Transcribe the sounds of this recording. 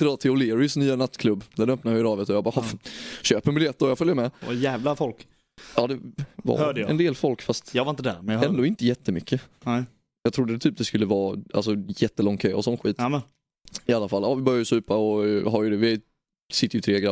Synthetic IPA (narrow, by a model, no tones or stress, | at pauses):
t̪ɪd̪ɔːt̪ʰɪʊlɪːɾɪsnyːanat̪ːkʰlɵbːd̪ænœpnaɾɪɾɑːvət̪ɔjɑbɑːɾhɔɕøːpəbɪljɛt̪ːɔjɑfœljəmɛajæːvlafɔlk | ɑːd̪ɛva̰ːdɛ̰nd̪eːlfɔlkfast̪jɑvaɾɪnt̪əd̪æɾmɛd̪oːɪnt̪əjɛt̪ːəmʏkʰːənɛ | jɑɡt̪ʰɾʊd̪ːət̪ʰyːp̚d̪ɛskɵlːəvɑːʔa̰ls̬ɔjɛt̪ːəlɔŋt̪ʰœːɔsɔnɧwiːt̪ | ɪalːafalːʔɑːvɪbœɾjajsʉ̟ːpaɔɦaɾjəd̪ɛvɪ | sɪt̪ːəɾjʏt̪ʰɾeːɡɾa